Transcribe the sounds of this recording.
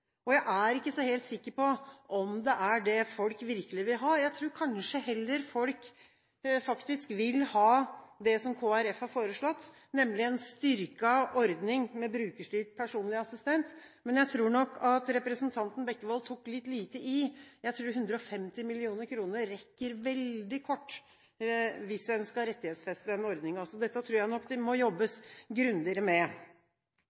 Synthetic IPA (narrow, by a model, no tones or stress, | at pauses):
ɔjæɪʔæɾɪkːəsɔheːlt̪sɪkːəɾpɔʔɔmd̪ɛʔæɖɛfɔlkʋɪɾkəlɪʋɪlɦɑːjæɪt̪ʰɾuːɾkʰɑnʂəhɛlːəɾfɔlk | fɑkt̪ɪskʋɪlhɑːd̪ɛsɔmkʰoːæɾɛfhɑɾfoːɾəʂɭɔt̪ː | nɛmːlɪɛnst̪ʏɾkəɔɾd̪nɪŋmɛbɾʉːkəʂɭyːʈ̚pʰæʂuːnlɪɑsɪst̪ɛnt̪mɛnjæɪt̪ʰɾuːɳɔkʰːɑt̪ɾɛpɾəsnt̪ʰɑnt̪n̩bɛkːəʋɑlt̪ʰukːlɪt̪ːliːt̪əʔɪjæɪt̪ʰɾuːɦʉnd̪ɾəɔfɛmt̪ɪmɪlɪuːnəɾkʰɾuːnəɾɛkːəɾʋɛld̪ɪkʰɔʈː | ʋɪsɛnskɑɾɛt̪ːɪheːt̪sfɛst̪ɛnɔɾd̪nɪŋɑsɔd̪ɛt̪ːət̪ʰɾuːɾjæɪnɔkːd̪ɛmɔjɔbːəsɡɾʉnd̪ɪɾəmɛ